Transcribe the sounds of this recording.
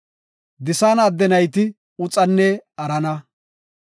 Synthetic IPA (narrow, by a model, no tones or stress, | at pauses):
d̪ɪsaːnɐd̪ːɛnɐjt̪ɪ | ʊt͡sʼɐnːɛɐɾɐnɐ